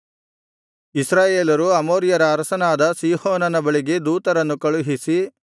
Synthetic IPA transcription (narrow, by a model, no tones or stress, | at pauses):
isɾaːjeːlɐɾuɐmoːɾijɐɾɐːɾɐsɐnaːd̪ɐsiːhoːnɐnɐbɐɭiɡe̞d̪uːt̪ɐɾɐnːukɐɭuɦisi